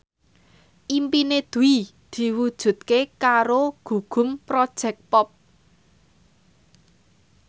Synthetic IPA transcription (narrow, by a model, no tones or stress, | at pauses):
ʔimpined̪̥ṳid̪̥i̤wud̥ʒ̥ṳt̪̚kekaɾoɡ̥ṳɡ̥ʊ̤mpɾɔd̥ʒ̥ɛ̤k̚pɔp̚